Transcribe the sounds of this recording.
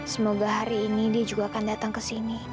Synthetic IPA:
səmoɡaɦaɾiːnidiad͡ʒuɡaːkandat̪aŋkəsini

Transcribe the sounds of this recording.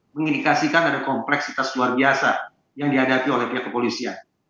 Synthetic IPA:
məŋindikasikanadakɔmplɛksit̪asluarbiasa̰ | jaŋdiɦadapiolɛhpiakːəpolisian

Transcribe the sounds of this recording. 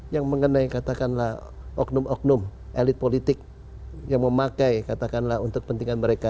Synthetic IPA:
jaŋməŋənajkat̪akanlahʔɔk̚nʊmɔk̚nʊmʔelɪt̪̚polit̪ɪk̚ | jaŋməmakajkat̪akanlaɦunt̪ʊk̚pənt̪iŋanməɾeka

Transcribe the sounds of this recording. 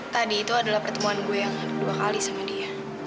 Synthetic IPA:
t̪adiːt̪uadalahpərt̪əmuanɡuajaŋduakalisamadia

